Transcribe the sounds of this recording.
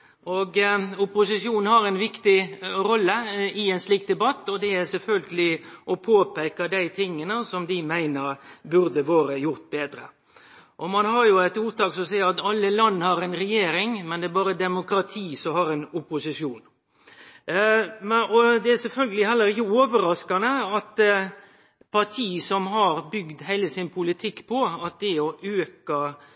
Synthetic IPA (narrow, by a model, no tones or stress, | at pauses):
ɔɡʊpʊsɪʂjuːnn̩hɑɾɛɪnʋɪkt̪ɪɾɔlːəɪɛɪnsliːkt̪d̪ɛbɑt̪ːɔd̪ɛæɾsɛlfœlɡəlɪʔɔpʰoːpɛɪkɑd̪æɪt̪ʰɪŋːənəsɔmd̪ɪmæɪnəɾbʉɾd̪əʋoːɾəjʊɾt̪̚beːd̪ɾə̰ | ʔɔmɑnhɑɾjʊɛɪt̪uːɾt̪ɑːksɔmɔsæɪəɑt̪ɑlːəlɑnːhɑɾɛnɾɛjeːɾɪŋmɛnd̪ɛæbɑːɾəd̪ɛmʊkɾɑt̪ʰiːsɔmhɑɾɛnʊpːʊsɪʂjuːn | mɔd̪ɛæsɛlfœlɡəlɪhɛlːəɾɪçəoːʋəɾɑskɑnəɑt̪ | pʰɑɾʈ̪ʰiːsɔmɦɑɾbʏɡd̪hæɪləsɪnpʰʊlɪt̪ʰɪkːpʰɔɑt̪̚d̪ɛɔʔøːkɑ